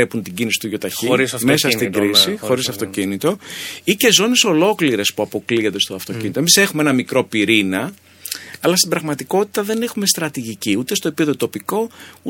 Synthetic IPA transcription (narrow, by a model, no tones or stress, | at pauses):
epunt̪iɟinisi̥t̪uʝo̞t̪ɐçime̞sɐst̪iɡɾisixo̞ɾisɐft̪o̞cinit̪o̞ice̞zo̞ne̞so̞lo̞kliɾe̞spuɐpo̞kliond̪e̞st̪oɐft̪o̞cinit̪omise̞xumeenɐmikɾo̞piɾinɐ | ɐlɐst̪ibɾɐɣmɐt̪iko̞t̪it̪ɐðe̞ne̞xume̞st̪ɾɐt̪iʝiciut̪e̞st̪o̞eie̞ðo̞t̪o̞piko̞u